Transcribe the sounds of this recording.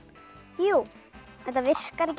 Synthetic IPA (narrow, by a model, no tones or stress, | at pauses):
ju | ɛt̪avɪr̥kaɾɪc